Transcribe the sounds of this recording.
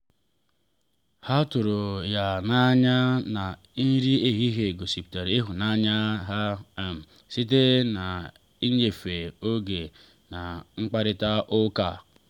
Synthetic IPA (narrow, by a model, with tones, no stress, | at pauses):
ha˦tu˨ɾo˨ja˨na˦ɲa˦na˨ | i˦ɾi˦e˦ɦi˦ɦe˨ɡo˨si˨pta˨ɾe˦ɦu˨na˦ɲa˦ɦa˦˨m̩˨ | si˦t̬e˦na˨ | i˦ɲe˨fe˨o˦ɡe˨ | na˨ŋ͡m̩˦k͡pa˦ɾi˦ta˦ʔʊ˦ka˦˨